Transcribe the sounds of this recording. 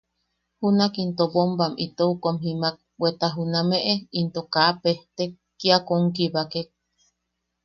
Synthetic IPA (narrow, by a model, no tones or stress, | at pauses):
hunakint̪obombamit̪oukomɦimak̚wet̪aɦunameʔeint̪okaʔpeht̪e | kːiakoŋkiβakek̚